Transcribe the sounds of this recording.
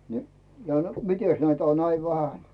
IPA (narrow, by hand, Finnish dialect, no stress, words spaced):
ni jɑ mites næitæ on næi ʋæhæn